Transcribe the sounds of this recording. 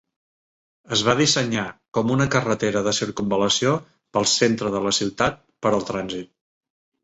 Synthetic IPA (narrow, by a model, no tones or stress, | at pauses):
əzβað̞isəɲakɔmunəkərət̪eɾəðəsiɾkumbələsio | pəlˠsent̪ɾəðələsiwt̪at̪̚pəɾəlˠt̪ɾanzit̪̚